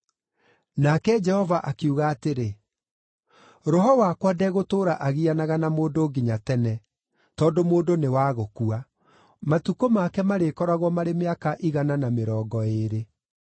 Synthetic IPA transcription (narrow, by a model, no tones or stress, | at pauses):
nakɛd͡ʒɛhɔvaʔakeuɣaːteɾe | ɾɔɦɔwakwadɛɣotoːɾaʔaɣianaɣanamoːdoːɡiɲatɛnɛ | tɔːdomoːndonewaːɣokua | matukomakɛmaɾekɔɾaɣwɔmaɾemeakaʔiɣananameɾɔːɡɔeɾe